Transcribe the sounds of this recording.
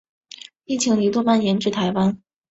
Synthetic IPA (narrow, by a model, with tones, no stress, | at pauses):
i˥˩t͡ɕʰi˧˥ŋli˧˥t̪wɔ˥ma˥˩njɛ˧˥nʈ͡ʂɻ̩˥˩t̪ʰa˧˥ɪwa˥n